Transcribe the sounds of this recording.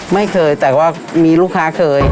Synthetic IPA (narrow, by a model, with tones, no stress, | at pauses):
ma˥˩jkʰɤː˧jt̪ɛː˨˩waː˥˩ | miː˧luː˥˩kʰaː˦˥kʰɤː˧j